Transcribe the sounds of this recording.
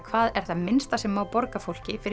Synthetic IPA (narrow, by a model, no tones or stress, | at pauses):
kʰvaːðɛɾ̥θaðmɪnst̪asɛmːawpɔɾkafowl̥cɪfɪɾ